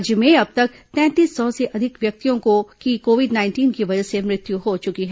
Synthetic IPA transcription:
d͡ʒmẽɐb̚t̪ɐk̚t̪ɛ̃ːt̪iːsːɔːseʔɐd̪ʱɪkʋjɐk̚t̪ijõkokikoːʋɪɖnaːɪnʈiːnkiʋɐd͡ʒəsemɾɪt̪juɦot͡ʃʊkiɦɛː

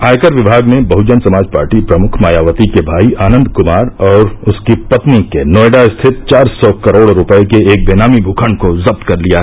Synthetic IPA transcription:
aːjkəɾʋɪbʱaːɡnebɐɦʊd͡ʒənsɐmaːd͡ʒpa̰ːɾʈipɾɐmʊkʰmaːjaːʋət̪ikebʱaːiʔaːnə̃nd̪ʱkʊmaːɾɔːɾʊskipɐt̪nikenoːeɖaɪst̪ʰɪt̪̚t͡ʃaːɾsɔːkɐɾoːɽɾʊpəekeeːk̚beːnaːmibʱuːkʰənkozɐb̚t̪kɐɾlijaɦɛ

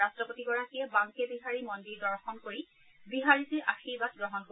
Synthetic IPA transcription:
astɹɔpotiɡɔɹakijɛbaŋkebiɦaɹimɔndiɹdɔɹxɔnkoɹi | biɦaɹitiʔaxibat̚ɡɹɔɦɔnko

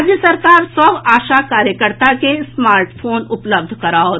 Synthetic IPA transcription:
d͡ʒjəsɐɾkaːɾsɔʋaːʃakaːɾjəkəɾt̪akesmaːɾʈfʰoːnʊpləb̚d̪ʱkɐɾaːo

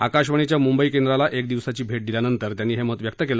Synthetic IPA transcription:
akaɕʋəɳ̃it͡ɕjamumbəikend̪ɾalaʔekd̪iʋsat͡ɕiːbʱeʈ̚d̪iljanənt̪əɾt̪janːiːɦeməɦət̪ʋjək̚t̪əkelə

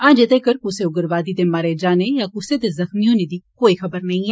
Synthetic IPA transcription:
ãːd͡ʒed̪ekəɾkʊseʊɡəɾʋaːd̪id̪emaɾed͡ʒaːnejakʊset̪ezɐxmijõned̪ikoːixɐbəɾnɐɦĩ

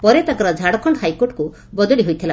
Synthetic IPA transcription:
pɔɾet̪akɔɾɔd͡ʒʱaɽɔkʰɔɳɖɔɦajkoɾʈɔ̥ku | bɔd̪ɔɽiɦojt̪ʰila

